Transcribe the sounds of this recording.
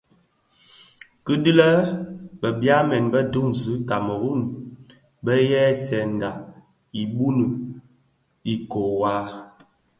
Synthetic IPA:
kɨ˦di˦lə˦bə˨bja˦mɛ˨nbə˦du˦ŋzɨ˨˦ta˨mə˨ɣu˦˨n | bə˦jɛ˦sɛ˨n˨da˨ | i˨ɓu˦nə˨ | i˨ko˨wa˦

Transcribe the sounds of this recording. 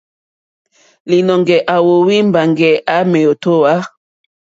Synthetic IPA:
li˨nɔ˨ŋɡɛ˨ʔa˨wo˨wi˦mba˨ŋɡɛ˨ʔa˨˦mɛ˨jo˨to˦wa˦

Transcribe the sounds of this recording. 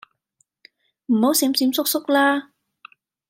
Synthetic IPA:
m̩˨˩ho˨˥wsiː˨˥mt͡siː˨˧msʊ˥k̚sʊ˥k̚laː˥

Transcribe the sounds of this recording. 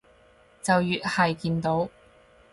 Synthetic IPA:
t͡sɐ˨wjyː˨t̚hɐ˨jkiː˧nt̪o˨˥w

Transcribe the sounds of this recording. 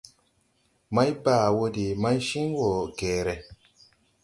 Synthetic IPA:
ma˦jbaː˦˨wo˧di˨ma˦jʃi˦ŋwo˨ɡeː˨ɾɛ˨

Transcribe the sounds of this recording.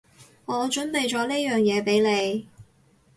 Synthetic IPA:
ŋɔː˨˧t͡ʃɵ˨˥npe˨˧jt͡ʃɔː˨˥ni˥jœː˨ŋjɛː˨˧pe˨˥jle˨˧j

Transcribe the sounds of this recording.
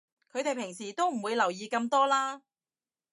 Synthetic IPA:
kʰɵ˨˧ɥt̪e˨jpʰɪ˨˩ŋsiː˨˩t̪o˥wm̩˨˩wuː˨˧jlɐ˨˩wjiː˨˧kɐ˧mt̪ɔː˥laː˥

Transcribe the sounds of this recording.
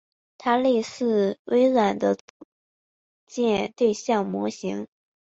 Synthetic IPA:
t̪ʰa˥le˥˧ɪsɹ̩˥˩wʔe˥ɪɻa˨˩nd̪ə˦ | t͡ɕjɛ˥˧nt̪we˥˧ɪɕjɑ˥˩ŋmwɔ˧˥ɕi˧˥ŋ

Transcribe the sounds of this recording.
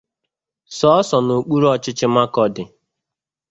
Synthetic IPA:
sɔ˦ɔ˦sɔ˨no˨k͡pu˦ɾɔ˦t͡ʃɪ˦t͡ʃɪ˦ma˦kɔ˨dɪ˨

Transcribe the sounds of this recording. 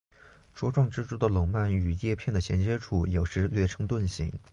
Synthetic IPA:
ʈ͡ʂwɔ˥ʈ͡ʂwɑ˥˧ŋʈ͡ʂɻ̩˥ʈ͡ʂu˥˩d̪ə˨˩lʊ˨˩ŋma˥˩ny˨˩jɛ˥˧pʰjɛ˥˩nd̪ə˩ɕjɛ˧˥nt͡ɕjɛ˥ʈ͡ʂʰu˨˥˩jo˨˩ʊʂɻ̩˧˥lɥɛ˥˩ʈ͡ʂʰɤ˧˥ŋt̪wə˥˩nɕi˧˥ŋ

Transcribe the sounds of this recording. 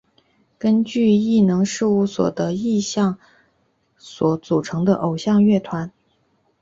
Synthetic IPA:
kə˥nt͡ɕy˥˧i˥˩nɤ˧˥ŋʂɻ̩˥˩˧u˥˩swɔ̰˨˩d̪ə˧˦i˥˧ɕjɑ˥˩ŋ | swɔ˧˥t͡su˨˩ʈ͡ʂʰɤ˧˥ŋd̪ə̰˧ʔo˨˩ʊɕjɑ˥˧ŋɥɛ˥˩t̪ʰwa˧˥n

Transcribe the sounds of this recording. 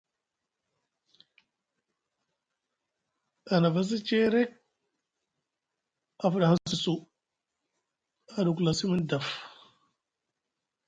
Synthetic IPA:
a˨na˨va˦s̬i˦t͡ʃe˦ɾe˦k̚ | a˨fu˦˨ɗa˨ha˦si˨su˦ | a˨du˨ku˨la˨si˦mi˦nda˨f

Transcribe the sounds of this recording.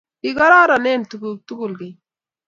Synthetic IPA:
iɡa˦ɾaː˦ɾa˨ne˦nt̪u˨ɡut̪u˦ɡu˨lɡi˨

